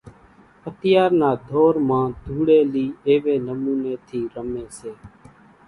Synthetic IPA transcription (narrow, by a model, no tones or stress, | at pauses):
ət̪ɪjaːɾnaːd̪ʱoːɾmãːd̪ʱuːɽeːliːeːʋeːnəmuːneːt̪ʰiːɾəmeːseː